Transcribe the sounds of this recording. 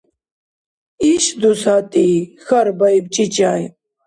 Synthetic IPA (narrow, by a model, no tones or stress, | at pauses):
iɕd̪usaːt̪ixɐɾbɐjb̚t͡ɕit͡ɕaːj